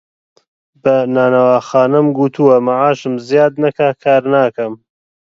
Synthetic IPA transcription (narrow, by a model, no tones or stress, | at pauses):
bɐnaːnɐwaːxaːnɐmɡut̪ʰuwɐmaʕaːʃɨmzijaːd̪̚nɐkaːkʰaːɾnaːkɐm